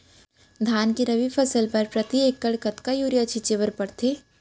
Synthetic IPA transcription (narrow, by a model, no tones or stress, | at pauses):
d̪ʱaːnkiɾɐʋipʰɐsəlpɐɾpɾɐt̪ieːkːɐɽkət̪kajuːɾijat͡ʃʰit͡ʃeʋəɾpɐɽt̪ʰeː